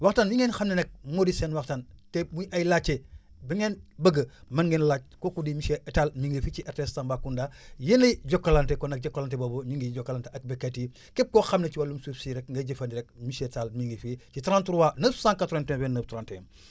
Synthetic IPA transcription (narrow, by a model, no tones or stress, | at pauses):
waxtanbiŋɛnxɐmnenɛk̚modisɛnwɐktantemujɐjlat͡ʃːe | biŋenbəɡəmɐnɡenlat͡ʃ̚kokudimiʃeʔtalmiŋɡefit͡ʃiʔɛɾtestambakundaːjenɐjɟɔkːɐlantekɔnɐk̚ɟɐkːalantɛboboɲiŋɡiɟɔkːalanteɐk̚bɛkati | kɛp̚koxɐmnet͡ʃiwalːumsufsiɾɛkŋɡɐɟɐfɐndiɾɛk̚miʃetalmiŋɡifit͡ʃitɾãntuɾwanəfsãːŋkatɾentɛ̃bɛnːəːftɾantḛm